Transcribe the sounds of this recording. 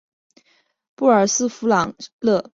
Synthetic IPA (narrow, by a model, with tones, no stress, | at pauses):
pu˥˩ə˞˨˩sɹ̩˥˩fu˧˥lɑ˨˩˦ŋlɤ˥˩˧